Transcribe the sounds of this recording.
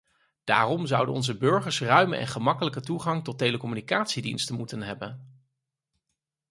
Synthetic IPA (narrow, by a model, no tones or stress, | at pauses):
d̥a̰ːrɔmzʌwdənɔ̰nzəbɵɹχəɹsrœɥmə̰ʔɛ̰nχəmɑkələkətuχɑŋtɔtːejləkɔmynikaːtsidinstənmutənɦɛbən